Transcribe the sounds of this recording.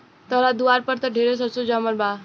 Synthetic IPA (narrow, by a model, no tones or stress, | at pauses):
t̪əɾad̪uaɾpəɾt̪əɖʱeɾesəsud͡ʒaməlba